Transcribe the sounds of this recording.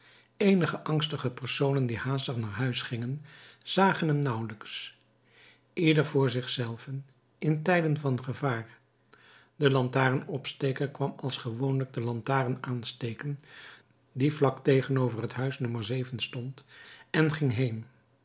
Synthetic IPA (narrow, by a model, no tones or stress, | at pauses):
ejnəχəʔɑŋstəχəpəɹsownəndihaːstəχnaːɹɦœɥsχɪŋənz̥aːχənɦɛmnʌwləks | ʔɪdəɹvʊːɹzɪχsɛlˠvən | ɪntɛjdənvɑnχəvaːɹ | dəlɑntaːrənɔpsteːkəɹkʋɑmɑlˠsχəʋownləɡ̚dəlɑntaːrənaːnstejkən | divlɑktejχənowvərɦətɦœɥsnɵməɹzejvənstɔntɛnχɪŋɦejn